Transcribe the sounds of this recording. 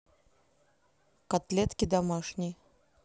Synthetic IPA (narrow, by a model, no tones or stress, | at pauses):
kat̪lʲɛt̪kʲid̪amaʂnʲi